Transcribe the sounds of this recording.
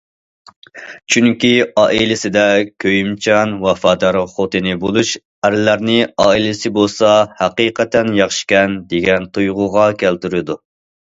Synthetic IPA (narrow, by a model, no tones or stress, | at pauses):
t͡ʃʰyŋkʲiɑːʔilɪsɪd̪ɛkʲʰøjymt͡ʃʰɑnwɑfɑːd̪ɑɾχot̪ʰɨnɪbolˠuʃ | æɾɪlæɾnɪɑːilɪsɪbolˠsɑhæqiqɛt̪ɛnjɑχʃkʲɛnd̪eɡʲɛnt̪ʰujʁʊʁɑkʲʰælt̪yɾɪd̪u